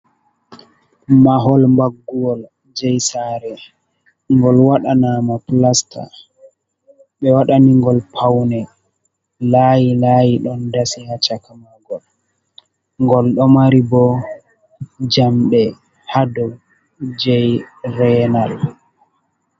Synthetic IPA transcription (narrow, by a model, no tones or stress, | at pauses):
maɦɔlmbaɡːuwɔl | d͡ʒɛjsaːɾɛ | ŋɡɔlwaɗanaːmaplastʰa̰ | ɓɛwaɗaniŋɡɔlpʰawnɛ | lajilajiɗɔndasihat͡ʃakamaɡɔl | ŋɡɔlɗɔmaɾibɔ | d͡ʒamɓɛ | hadɔɡ | d͡ʒɛjrɛnal